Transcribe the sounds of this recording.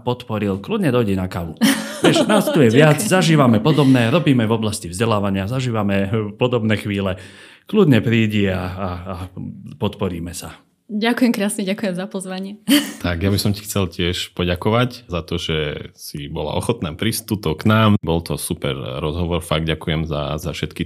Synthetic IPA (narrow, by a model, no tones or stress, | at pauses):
pɔt̪pɔɾilklud̪ɲɛd̪ɔjɟɛnakaʋuʋɛʃnaːst̪ujɛʋɪad͡zzaʒiːʋamɛpɔd̪ɔbnɛːɾɔbiːmɛvɔblascivzɟɛlaːʋaɲɪazaʒiːʋamɛpɔd̪ɔbnɛːxʋiːlɛ | klud̪ɲɛpɾiːɟiaːpɔt̪pɔɾiːmɛsa | ɟakujɛmkɾaːsɲɛɟakujɛmzapɔzʋaɲɪɛt̪aɡjabisɔmci̥xt͡sɛlcɪɛʃpɔɟakɔʋaczat̪ɔʒɛsibɔla̰ʔɔxɔt̪naːpɾist̪ut̪ɔknaːmbɔlt̪ʰɔsupɛ̰ɾɾɔzɦɔʋɔɾfaɡ̚ɟakujɛmza̰zafʃɛt̪ki